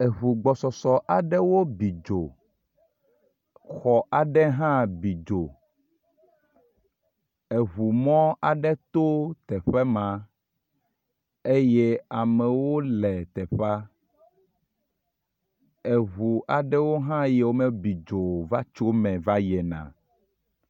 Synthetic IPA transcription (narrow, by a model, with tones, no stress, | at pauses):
e˨ɦu˨ɡ͡bɔ˨sɔ˨sɔ˨ʔa˨ɖɛ˦wo˦bi˨d͡ʒo˨ | xɔ˨ʔa˨ɖɛ˦ɦã˦bi˨d͡ʒo˨ | e˨ɦu˨mɔ̃˦a˨ɖɛ˦t̪o˦t̪ɛ˨ɸɛ˦mã˨ | e˦je˦a˨mɛ˨wo˦lɛ˨t̪ɛ˨ɸa˦ | e˨ɦu˨ʔa˨ɖɛ˦wo˦ɦã˦jɛ˦wo˦mẽ˦bi˨d͡ʒo˨va˦t͡ʃo˦mɛ̃˨va˦jɛ˨nã̰˨